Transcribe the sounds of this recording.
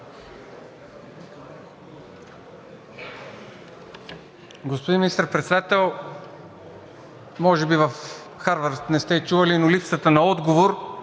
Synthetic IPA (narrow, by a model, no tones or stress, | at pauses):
ɡospod̪inminist̪əɾpɾɛt̪sɛd̪at̪ɛlˠ | mɔʒɛbivɐf | xaɾvəɾt̪nɛst̪ɛt͡ʃuvɐlinolipsət̪ənɐɔd̪ɡovoɾ